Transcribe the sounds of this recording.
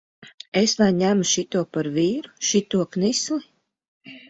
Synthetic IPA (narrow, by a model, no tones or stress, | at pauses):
esvajɲæmuʃit̪uɔpaɾviːɾu̥ʃit̪uɔknislˠi